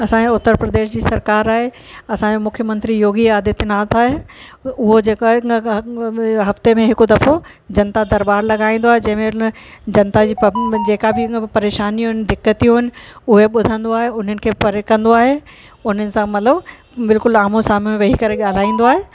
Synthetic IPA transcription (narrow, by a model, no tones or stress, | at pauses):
ɐsãẽʊt̪ːəɾpɾɐd̪eːʃd͡ʑiːsɐɾkaːɾaːɦe | ɐsãemʊkʰjəmɐ̃nt̪ɾijoːɡiaːd̪ɪt̪naːt̪ʰaːɦe | ʊɦod͡ʑeːkaːɦ | ɦɐft̪emẽɦɪkod̪ɐfo | d͡ʑɐnt̪ad̪ɐɾbaːɾlɐɡaːĩːnd̪oaːɦed͡ʑɐ̃ɦɪ̃mẽd͡ʑɐnt̪ad͡ʑiːd͡ʑeːkabɪpɐɾeːʃaːnijũɦɪnɪ̆ɖɪkːət̪ijũɦɪnɪ̆ʊɦeɓʊd̪ʱə̃nd̪oaːɦeʊn̤ənɪ̆kʰeːpɐɾekɐ̃nd̪oaːɦe | ʊn̤ənɪ̆sãmɐt̪ləb | bɪlkʊlaːmosaːm̤mẽʋɐɦikɐɾeɠaːl̤aːĩːn̆d̪oaːɦeː